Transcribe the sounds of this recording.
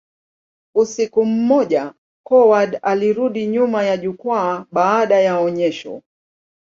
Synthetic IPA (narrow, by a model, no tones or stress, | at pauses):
usikum̩ːɔʄa | kɔwaɗaliɾuɗiɲumajaʄukwaːɓaːɗajaɔɲɛʃɔ̰